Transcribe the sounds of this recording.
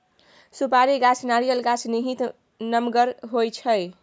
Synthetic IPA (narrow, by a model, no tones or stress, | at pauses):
supaɾiɡat͡ʃʰnaɾijəlɡat͡ʃʰniɦit̪ | nəmɡəɾɦojt͡ʃʰəj